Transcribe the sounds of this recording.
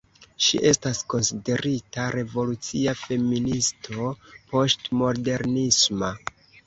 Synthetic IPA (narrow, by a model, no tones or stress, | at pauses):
ʃḭʔe̞stasko̞nside̞ɾʔitaɾe̞vo̞lut͡siafe̞ministʰo̞po̞stmo̞de̞ɾnisma